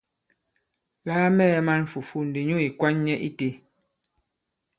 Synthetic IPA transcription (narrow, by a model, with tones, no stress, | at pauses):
laː˦mɛ˦˨˦ma˦n˨fu˨fu˦˨n̩˨de˨ɲu˦e˨kwa˦ɲɲɛ˦ʔi˦te˦